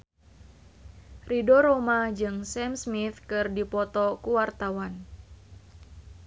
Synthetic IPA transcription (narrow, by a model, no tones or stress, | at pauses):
ridɔɾomad͡ʒɨŋsɛmsmit̪kɨrdipɔt̪ɔkuwart̪awan